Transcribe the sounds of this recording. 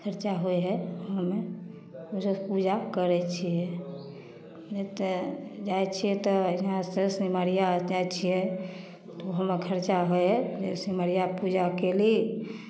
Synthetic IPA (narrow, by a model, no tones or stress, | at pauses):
kʰəɾt͡ʃaɦojɦɛɦəme | usepud͡ʒakəɾɛt͡ʃʰijɛ | d͡ʒet̪ed͡ʒajt͡ʃʰijɛt̪ɔiɦãsesiməɾijad͡ʒajt͡ʃʰijɛ | t̪ɔɦəmekʰəɾt͡ʃaɦojɦɛd͡ʒesiməɾijapud͡ʒakeli